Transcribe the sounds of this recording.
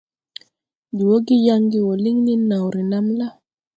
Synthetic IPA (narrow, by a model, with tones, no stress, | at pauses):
d͡ʒi˨wo˦ɡi˦ja˦ŋɡi˦wo˨li˦ŋni˦na˨wɾi˨na˦mla˦